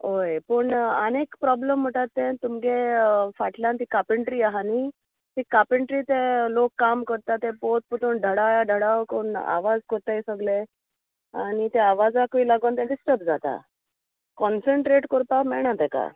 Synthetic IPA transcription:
ɦojpəɳənekpɾɔbləm̤ːəʈat̪ːẽt̪umɡefaʈljant̪iːkapəɳʈɾiːaɦani | t̪iːkapəɳʈɾiːt̪elokːamkəɾt̪at̪epot̪̚put̪ʰoːnɖʱəɽajaɖʱəɽaʋkona̰ʋad͡zkəɾt̪ajsəɡle | aɽ̃it̪eaʋad͡zakʋiːlaɡənt̪ãɖisʈəɾp̚d͡zat̪a̰ | kɔnsəɳʈɾeʈkəɾt̪amɛɭɳ̃ãt̪ẽka̰

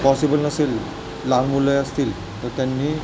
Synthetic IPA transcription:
pɔsibɔlnasilː | aɾmulɔjast̪il | t̪ɔt̪ɛnːi

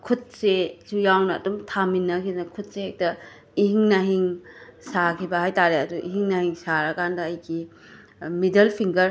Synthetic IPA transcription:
kʰut̚sesujawnɐ̰ːdumtʰaminːɐkʰinɐkʰut̚sehek̚tɐ | ihiŋnɐɦiŋsakʰibɐhajtaɾeɐduʔḭɦiŋnɐhiŋsaɾɐkʰandɐːjɡi | midɐlpʰiŋɡɐɾ

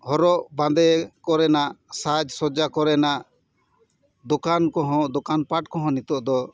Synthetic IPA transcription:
hɔɾɔʔbãnd̪ɛkɔɾɛnaʔsad͡ʒsɔd͡ʒakɔɾɛnaʔ | d̪ɔkankɔɦɔ̃d̪ɔkanpaʈkɔɦɔ̃nit̪ɔʔd̪ɔ

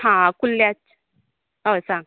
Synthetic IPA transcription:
ɦãkulːjat͡ʃ | osaŋ

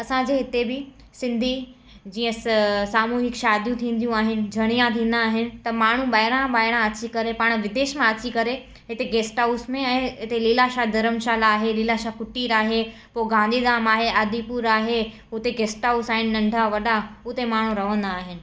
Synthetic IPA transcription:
ɐsãd͡ʑeːɦɪt̪ebɪ | sɪ̃nd̪ʱi | d͡ʑiːə̃saːmuːɦɪkʃaːd̪ʱjũt̪ʰĩːn̆d̪ʱijũaːɦɪnɪ̆d͡ʑʱɐɽ̃ijãt̪ʰĩːn̆d̪aːɦɪnɪ̆t̪ɐmaːɳ̤ũɓaːɪɽ̃ãɓaːɪɽ̃ãɐt͡ɕikɐɾepaːɽ̃ʋɪd̪eːʃmãɐt͡ɕikɐɾe | ɦɪt̪eɡeːsʈausmẽɛ̃ːɦɪt̪eliːlaʃad̪ʱɐɾəmʃaːlaːɦeliːlaʃakʊʈiːɾaːɦe | poɡãːnd̪ʱid̪aːmaːɦeʔaːd̪ipuɾaːɦe | ʊt̪eɡeːsʈausaːɦɪnɪnɐ̃ɳɖʱaʋɐɗaʊt̪emaːɳ̤ũɾɐʋə̃nd̪aːɦɪnɪ̆

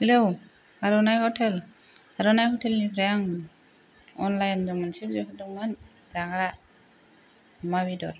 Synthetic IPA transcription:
hɛlow | aɾunajhɔtʰɛl | aɾɔnajkɔtʰɛlnipʰɾajaŋ | ɔ̰nlajndɔŋmansip̚zipʰadɔŋman | zaɡaɾa | mabidɔɾ

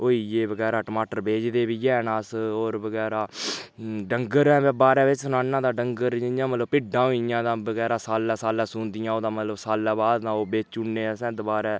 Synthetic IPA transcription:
oːiːjeːbəɡɛːɾaːʈəmaːʈəɾbeːd͡ʒd̪eːbiːjɛːnãːsoːɾbəɡɛːɾaː | ɖəŋɡəɾɛ̃ːbaːɾɛ̃ːʋɪt͡ʃsʊnaːnãːd̪aːɖəŋɡəɾjãːmət̪ləbpɪɖːãːoijãːd̪ãːbəɡɛːɾaːsaːlãːsaːlãːsʊ̃ːnd̪ɪjãːoːd̪ãːmət̪ləbsaːlaːbaːd̪nãːoːbeːt͡ʃuɳneːsɛ̃ːd̪obaːɾɛː

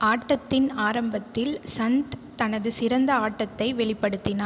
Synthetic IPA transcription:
ʔaːʈːɐt̪ːɪnaːɾɐmbɐt̪ːɪlsɐnt̪t̪ɐnɐðɯsɪɾɐnd̪ɐaːʈːɐt̪ːɐɪʋɛɭɪpːɐɽɯt̪ːɪnaː

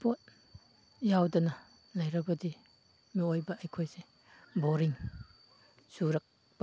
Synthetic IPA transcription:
pot̚ | jawdɐnɐ | lɐjɾɐbɐdi | miojbɐʔɐjkʰojse | boɾiŋ | suɾɐk̚ | b̥ɐ

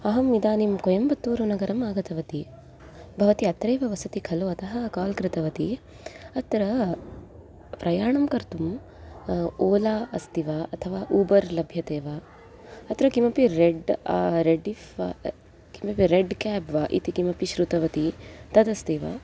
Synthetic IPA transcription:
ɐɦɐmid̪aːnimkojɐmbɐt̪ːuːɾunɐɡɐɾɐmaːɡɐt̪ɐʋɐt̪i | bʱɐʋɐt̪iɐt̪ɾeːʋɐʋɐsɐt̪ikʰɐloːɐt̪ɐɦɐkaːlkɾɪt̪ɐʋɐt̪i | ɐt̪ɾɐ | pɾʔɐjaːɳɐmkɐɾt̪um | oːlaːɐst̪iʋaɐt̪ʰɐʋaːʔuːbɐɾlɐbʱjɐt̪eːʋaː | ɐt̪ɾɐkimɐpiɾeɖɾeɖifa | kimɐpiɾeɖkɛːpʋaːʔḭt̪ikimɐpiʃɾut̪ɐʋɐt̪it̪ɐd̪ɐst̪iːʋa̰

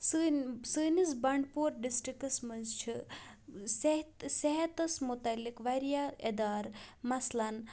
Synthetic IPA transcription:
sɨnsɨnisbɐɳɖpuːɾɖisʈɾikɐsmɐnzt͡ʃʰi | set̪seɦɐt̪ɐsmut̪ɐlːikʋaɾijaed̪aːɾmɐslaɐn

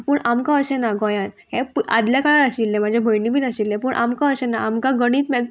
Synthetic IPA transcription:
puːɳʔamkãəɕɛ̃naɡɔjãnɦɛ̃pʔa̰d̪ljakaɭaɾaɕilːɛ̃mad͡ʑʱabʱəjniːbʱiːnaɕilːɛ̃puːɳʔamkãəɕɛ̃naamkãɡəɽ̃iːt̪mɛ

